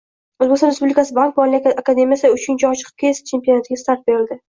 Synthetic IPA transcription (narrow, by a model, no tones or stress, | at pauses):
ozbekʲsɒnɾespublikʰasɪbank̚bɒlɪakad̪e̞mijasɪʊt͡ʃʰʊnt͡ʃʰaɒt͡ʃɪ̥qʰɨ̥p̚kʰʲeesḁt͡ʃʰe̞mpionat̪ɪɡʲast̪aɾt̪̚be̞ɾɪld̪ɪ